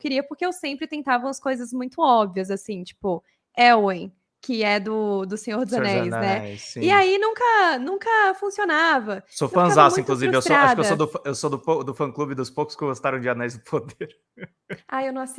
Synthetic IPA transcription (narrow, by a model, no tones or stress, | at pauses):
kɪɾiɐpʊɾkʲeewsẽmpɾɪt̪ẽnt̪avɐũɐskojzɐzmũj̃t̪ʊɔbviɐzasĩt͡ʃi̥pʊ | ɛwẽj̃ | kɪɛd̪ʊd̪ʊsẽɲoɾd̪ɪzɐnɛjznɛsĩɪainũŋkɐnũŋkɐfũsionavɐsofɐ̃azasmũʊĩk̪luziɾvewst̪ɾaʃʃdkeɐsd̪ʊfewsod̪ʊod̪ʊfɐ̃klubɪd̪ʊspowkʊ̥skɪɡost̪aɾɐ̃w̃d͡ʒɪanɛjzd̪ʊpʰod̪eɾ | aewnɐ̃w̃asi